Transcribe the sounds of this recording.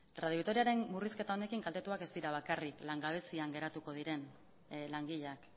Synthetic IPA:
rað̞joikt̪o̞ɾiaɾe̞nmuriske̞t̪ao̞ne̞kiŋɡalt̪e̞t̪uake̞zt̪iɾaβ̞akariklaŋɡaβ̞e̞siaŋɡe̞ɾat̪uko̞ð̞iɾe̞n | laŋɡiʎak

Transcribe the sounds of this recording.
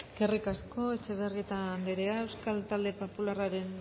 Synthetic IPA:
ekerikasko̞e̞t͡ʃe̞βerðit̪and̪eɾeae̞wskalt̪ald̪e̞po̞pularaɾe̞n

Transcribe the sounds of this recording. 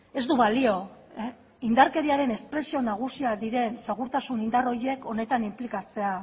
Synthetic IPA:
e̞zd̪uβalio̞ | ind̪aɾke̞ɾiaɾe̞ne̞spɾe̞sio̞naɣ̞usiad̪iɾe̞nseɣuɾt̪asunind̪aro̞je̞ko̞ne̞t̪animplikat͡se̞a

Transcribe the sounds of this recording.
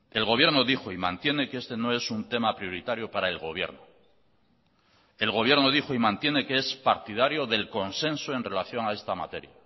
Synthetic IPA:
e̞lɣo̞βje̞ɾno̞ðixo̞imã̰nt̪je̞ne̞keest̪e̞no̞e̞sunt̪e̞mapɾijo̞ɾit̪aɾjopaɾae̞lɣo̞β̞je̞̰ɾno | e̞lɣ̞o̞β̞je̞ɾno̞ð̞ixo̞imãnt̪je̞ne̞kee̞spaɾt̪iðaɾjo̞ðe̞lko̞nse̞nsoe̞nre̞laθjo̞ŋae̞st̪ama̰t̪e̞ɾja

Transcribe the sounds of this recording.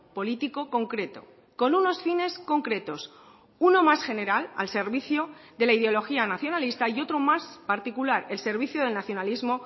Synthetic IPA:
po̞lit̪iko̞ko̞ŋkɾe̞t̪o̞̰ | ko̞nuno̞sfine̞sko̞ŋkɾe̞t̪o̞s | uno̞masxe̞ne̞ɾala̰lse̞ɾβiθjod̪e̞laið̞eo̞lo̞xianaθjo̞nalist̪aio̞t̪ɾo̞maspaɾt̪ikulaɾe̞lse̞ɾβiθjoð̞e̞lnaθjo̞nalizmo̞

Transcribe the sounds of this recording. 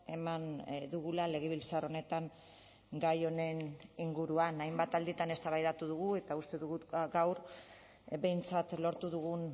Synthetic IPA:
e̞mand̪uɣulale̞ɣ̞e̞βilt͡saro̞ne̞t̪aŋ | ɡajo̞ne̞niŋɡuɾuanajmbat̪ald̪it̪ane̞st̪aβajðat̪uðuɣue̞t̪aust̪e̞ðuɣuɡawɾ | be̞jnt͡sat̪lo̞ɾt̪uðuɣ̞un

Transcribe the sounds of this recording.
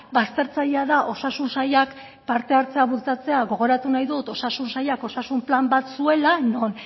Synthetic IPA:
bast̪e̞ɾt͡saʎeaðaʔo̞sasunsaʎak | paɾt̪e̞aɾt͡se̞aβult͡sat͡se̞aɣo̞ɣ̞o̞ɾat̪unajðut̪o̞sasunsaʎako̞sasumplambat̪sue̞lanon

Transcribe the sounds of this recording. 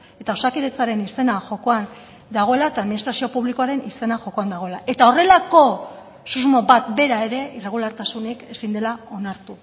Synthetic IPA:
e̞t̪aosakiðe̞t͡saɾe̞nise̞naʝo̞ko̞an | d̪aɣ̞o̞e̞laet̪aːðminist̪ɾasio̞puβlikoaɾe̞nise̞naʝo̞ko̞and̪aɣ̞o̞e̞laʔe̞t̪ao̞re̞lako̞ | suzmo̞bat̪be̞ɾae̞ɾe̞ire̞ɣ̞ulaɾt̪asuneke̞sind̪e̞lao̞naɾt̪u

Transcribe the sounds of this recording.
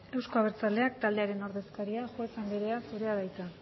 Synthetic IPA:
e̞wsko̞aβ̞eɾt͡sald̪e̞ak̚t̪ald̪e̞aɾe̞no̞ɾðe̞skaɾiaʝuet͡sembeɾe̞asuɾe̞aðajt͡s̪a

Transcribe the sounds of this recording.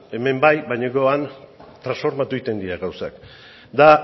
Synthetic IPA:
e̞me̞mbajbaɲoɡoant̪ɾãnsfo̞ɾmat̪uit̪e̞nd̪iɾaɣawsa̰k | d̪a

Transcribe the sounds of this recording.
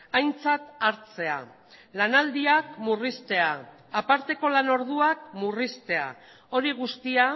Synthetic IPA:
ajnt͡sat̪aɾt͡se̞a̰ | lanald̪iakmurist̪e̞aː | paɾt̪e̞ko̞lano̞ɾðuak̚murist̪e̞a̰ | o̞ɾiɣ̞ust̪ia

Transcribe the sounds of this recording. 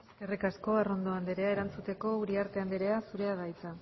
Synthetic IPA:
kerikasko̞aro̞nd̪o̞and̪eɾe̞aeɾant͡sut̪e̞ko̞uɾiaɾt̪e̞and̪eɾe̞asuɾe̞að̞ajt͡sa

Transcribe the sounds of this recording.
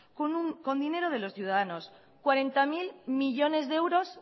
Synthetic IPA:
ko̞nd̪ine̞ɾoð̞e̞lo̞sθjuð̞aðano̞s | kwaɾe̞nt̪amilmiʝo̞ne̞zðewɾo̞s

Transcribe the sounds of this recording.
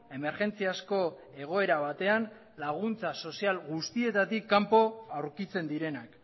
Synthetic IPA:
e̞me̞ɾʝe̞nt͡siasko̞ | e̞ɣ̞o̞e̞ɾaβ̞at̪e̞an | laɣ̞unt͡saso̞sialɣust̪ie̞t̪at̪ikːampo̞awɾkit͡se̞nd̪iɾe̞nak

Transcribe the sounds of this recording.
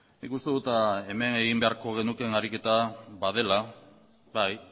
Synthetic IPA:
nikust̪e̞ðut̪ae̞me̞ne̞ɣimbe̞aɾko̞ɣ̞e̞nuke̞naɾike̞t̪aβað̞e̞la | βaj

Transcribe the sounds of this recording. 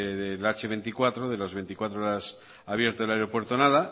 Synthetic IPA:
ðelat͡ʃeβe̞nt̪ikwat̪ɾoðe̞lazβe̞nt̪ikwat̪ɾooɾas | aβje̞ɾt̪oelaeɾopwe̞ɾt̪onaða

